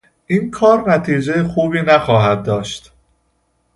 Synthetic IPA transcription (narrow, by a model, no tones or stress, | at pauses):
ʔiːnkʰɒːɾnæt̪ʰiːd͡ʒe̞jexuːbiːnæxɒːɦæd̪̚ːɒːʃt̪